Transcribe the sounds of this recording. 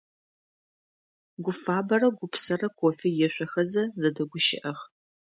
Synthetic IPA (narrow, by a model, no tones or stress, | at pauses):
ɡʷʊfaːbɐrɐɡʷʊpʰsɐrɐkʷʰoːfijɛɕʷɐxɐzɐzɐdɐɡʷʊʃɪ̰ʔɐχ